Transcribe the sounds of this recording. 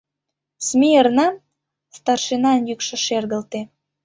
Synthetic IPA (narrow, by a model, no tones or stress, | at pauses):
smʲiərnɑ | st̪ɑrʃenɑnjykʃɤ̆ʃerɣəlt̪e